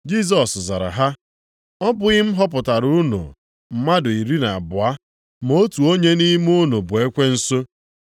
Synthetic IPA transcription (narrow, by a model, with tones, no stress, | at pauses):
d͡ʒi˦˨s̬ɔ˨sza̰˨ɾa̰˨ɦa˦ | ɔ˦bʊ˦ɣɪ˦m̩˦ɦɔ˦pʊ˨ta˨ɾu˦no̰˨ | m̩˨ma˦dʊ˨i˨ɾi˦na˨a˨bʊ˨a˦ | m˨o˦tu˨o˦ɲe˦ni˦mu˦no˨bʊ˨e˦kʷe˦n̩˦so˦